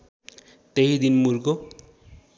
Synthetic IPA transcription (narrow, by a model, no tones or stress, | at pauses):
t̪eɦid̪inmuɾɡo